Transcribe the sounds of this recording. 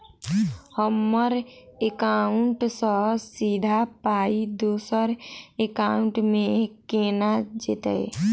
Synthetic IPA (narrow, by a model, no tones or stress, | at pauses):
həmːəɾekaːʊɳʈsəsiːd̪ʱapaːid̪oːsəɾekaːʊɳʈmẽkeːnad͡ʒet̪ḛj